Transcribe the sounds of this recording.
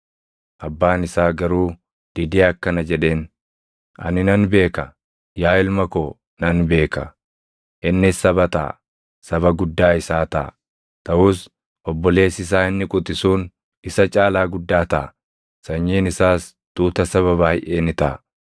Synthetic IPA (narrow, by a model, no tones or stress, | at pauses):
ʔɐbːaːnɪsaːɡɐɾuː | d̪̥ɪd̪eːɐkːɐnɐd͡ʒɛᶑe̞ːn | ʔɐ̰nɪnɐnbe̞ːkɐ | jaːɪlmɐkoː | nɐnbe̞ːkɐ̰ | ʔɪnːɪsɐβɐt̪a̰ː | sɐβɐɡʊd̪ːaːɪsaːt̪ɐ̰ː | t̪ɐʔuːs | ʔɔbːɔle̞ːsɪs̬aːɪnːɪkʼʊt̪ʼɪsuːn | ɪsɐt͡ʃʼaːlaːɡʊd̪ːaːt̪ɐ̰ː | sɐɲːiːnɪsaːs | t̪uːt̪ɐsɐβɐβaːhɪjʔeːnɪt̪ɐ̰